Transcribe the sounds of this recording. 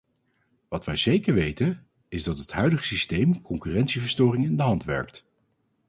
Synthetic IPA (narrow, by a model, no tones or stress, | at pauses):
ʋɑtʋɛjzejkəɹʋejtə | ɪzdɑtɦətɦœɥdəχəsistejmkɔŋkyːrɛntsivəɹstʊːrɪŋɪndəɦɑntʋɛ̰ɹk̚t